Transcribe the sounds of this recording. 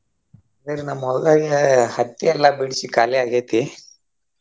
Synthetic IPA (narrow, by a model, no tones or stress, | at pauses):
ad̪ɐɾenɐmːɔd̪d̪aːɡehɐt̪ːiɛlːɐbiɽisikaːlɛaːɡeːt̪i